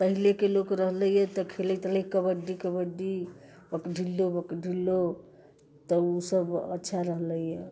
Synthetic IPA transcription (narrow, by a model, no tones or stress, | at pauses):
pəɦilekelokɾəɦləijɛt̪ɔkʰelət̪ləikəbəɖikəbəɖi | bəkɖʱilːobəkɖʱilːo | t̪ɔusəbə̰tːʃʰaɾəɦləjje